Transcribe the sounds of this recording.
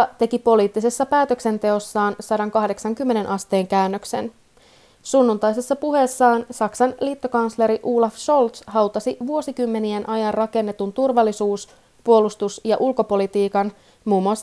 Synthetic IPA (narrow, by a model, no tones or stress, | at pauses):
t̪e̞kipo̞liːt̪ːise̞sːɑpæːt̪øksent̪e̞o̞sːɑːnsɑɾɑŋkɑhde̞ksɑŋkymːe̞ne̞nʔɑst̪e̞ːŋkæynːøksen | sunːunt̪ɑjse̞sːɑpuɦe̞sːɑːnsɑksɑnlit̪ːo̞kɑnsleɾiʔuːlɑfso̞lt̪sɦɑwt̪ɑsiʋuo̞sikymːe̞nienʔɑjɑrrɑke̞nːe̞t̪unt̪urʋɑlːisuːs | puo̞lust̪usjɑʔulko̞po̞lit̪iːkɑn | muːmːuɑs